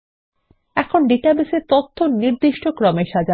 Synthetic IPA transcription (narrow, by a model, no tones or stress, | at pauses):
ɛkʰonɖiʈabiseɾt̪ot̪ʰːoniɾd̪iʃʈokɾɔmeʃad͡ʑa